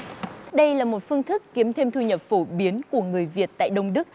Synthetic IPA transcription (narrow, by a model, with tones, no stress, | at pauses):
ɗə˧jlaː˨˩mo˨˩t̚fɨ˧əŋt̪ʰɨ˦˥kːi˨˦əmt̪ʰe˧mt̪ʰu˧ɲə˨˩p̚fo˧˩ɓi˨˦ənku˧˩əŋɨ˨˩əjvi˨˩ət̚t̪a̰ː˧˨jɗə˧wŋ͡mɗɨ˦˥k̚